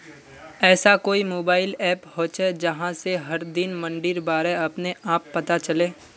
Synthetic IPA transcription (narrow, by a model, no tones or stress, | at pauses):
ɛːsakoːimoːbaːɪlɛːphoːt͡ʃed͡ʒɐɦãseɦɐɾd̪ɪnmɐ̃ɳɖɪɾbaːɾeɐpneʔaːpːɐt̪at͡ʃɐleː